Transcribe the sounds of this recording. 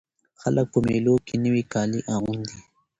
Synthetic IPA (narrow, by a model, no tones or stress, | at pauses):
xɐlək̚pumeːloːkinəwikaːliʔaːund̪i